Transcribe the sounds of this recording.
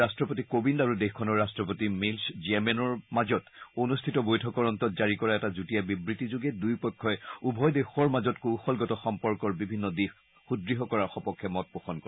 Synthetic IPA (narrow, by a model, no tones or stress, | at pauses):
astɹɔpotikobindaɹudexkʰːɔnɔɹːastɹɔpotimilsziɛmɛnɔɹmazɔtonustʰitɔbojtʰɔkɔɹɔntɔtzaɹikɔɹaɛtazutijabibɹitizuɡɛdujpɔkʰːɔɛubʱɔjdexɔɹmazɔtkuwxɔlɡɔtɔxɔmpɔɹkɔɹbibʱinːɔdix | xudɹiɦɔkɔɹaxɔpɔkʰːɛmɔt̚pɔxɔnkɔ